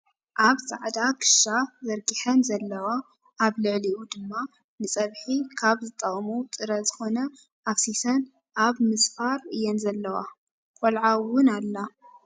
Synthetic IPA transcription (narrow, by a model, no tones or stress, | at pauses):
ʔaβsaʕd̪akʰɨ̥ʃazɐɾɡiħɐnzɐlːɐwa | ʔːβlɨʕliʔud̪ɨmːa | nɨsʼɐβħikʰaβzɨt̪ʼːɐχʼmut̪ʼɨɾɐzɨxo̞nɐ | ʔafsisɐn | ʔaβmɨsfaɾɨjːɛnzɐlːɐwa̰ | kʼolʕawʊnalːa